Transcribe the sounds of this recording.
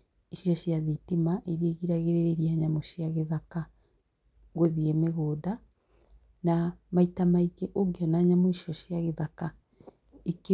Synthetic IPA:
iʃiɔɕjaðitimaʔeɾeɣiɾaɣeɾeɾeɾiaɲamoʃiaɣeðaka | ɣoðiemeɣoːda | namaitamaikeʔoɡeɔnaːɲamoiʃjɔɕjaɣeðaka | eke

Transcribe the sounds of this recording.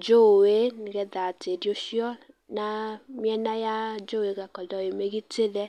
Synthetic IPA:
d͡ʒoweniɡɛdatedjoʃiɔ | namiɛnajad͡ʒoweɡakɔdɔjemeɡitelɛ

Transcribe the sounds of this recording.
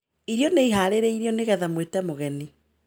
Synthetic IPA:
iɾjɔneiɦaːɾeɾɛiɾijɔneɣɛðamwetɛmoɣɛni

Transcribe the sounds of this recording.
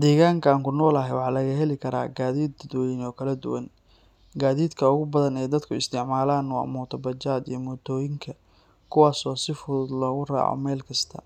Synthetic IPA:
d̪ɛːɣaːŋkʰaːŋkʰʊnɔːlɐɦɛjwɑħɑlɐɣɐɦɛlɪkʰɐɾa̰ːɡaːðiːd̪d̪wɔjɪnɔːkʰɐlɐd̪ʊ̰wɐn | ɡaːðiːd̪kʰɐʊɣʊbɐðɐnɛːjd̪ɐd̪kʰʊɪ̰st̪ʰɪʕmaːlaːnw̰mɔːt̪ʰɐbɐt͡ʃaːd̪ijɔmɔːt̪ʰɔːjɪŋkʰɐ | kʰʊwaːsɔːsɪfʊðʊd̪lɔːɣʊra̰ːʕɔ̰mɛːlkʰɐst̪ʰɐ̰

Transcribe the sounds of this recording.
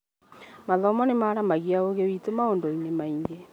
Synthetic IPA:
maðɔmɔnemaːɾamaɣiaoɣewitomaoːndoinemaiŋɡe

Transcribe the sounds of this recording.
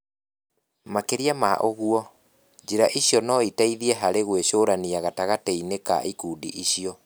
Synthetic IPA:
makeɾiamaʔoɣuɔ | ɲd͡ʑiɾaʔiɕjɔnɔitaiðiɛɦaɾeɣweʃoːɾaniaɣataɣatɛineka̰ikuːdḭʔiɕiɔ

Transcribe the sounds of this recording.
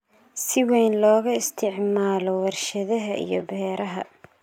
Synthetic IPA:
sɪwɛjnlɔːɣɐɪst̪ʰɪʕmaːlɔwɐrʃɐðɐɦɐʔḭjɞbɛːɾɐɦɐ̰

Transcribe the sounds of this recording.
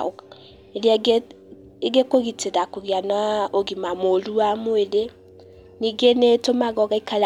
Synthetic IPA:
eljae | eɣekoɣiteɾakoɣianaoɣimamoluamoeɾe | niɡenetomaɣɔɣaikal

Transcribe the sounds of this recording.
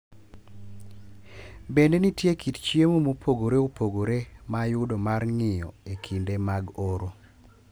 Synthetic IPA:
bendenitjekʰitt͡ʃjemomopʰoɡoɾeopoɡoɾemajʊdomarŋɪjɔ̰ekʰindemaɡoɾo

